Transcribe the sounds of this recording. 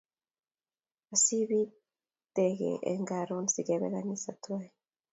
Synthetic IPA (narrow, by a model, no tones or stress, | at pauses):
asiβi | t̪eɡḛʔḛŋɡaɾonziɡeβeɣanisatwae